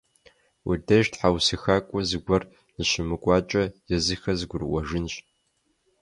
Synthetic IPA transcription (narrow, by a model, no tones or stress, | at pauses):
widɐʒtʰħawsɨxaːkʷʼɔzɨɡʷɐr | zɨʃɪmɨkʷʼaːt͡ʃʼɐjɛzɨxɐzɨɡʷʊrwʷɐʒɨnɕʼ